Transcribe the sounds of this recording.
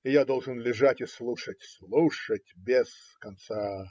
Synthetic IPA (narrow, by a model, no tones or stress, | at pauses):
ɪjad̪o̞lˠʐɨnlʲɪʐatʲɪslˠuʂətʲslˠuʂət̚ʲbʲɪz̥ | kɐnt̪sa